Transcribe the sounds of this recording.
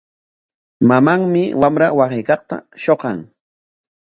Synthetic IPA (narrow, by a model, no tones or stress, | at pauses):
mamaŋmɪwamɾawaχejkɑqt̪a̰ʃoqɑŋ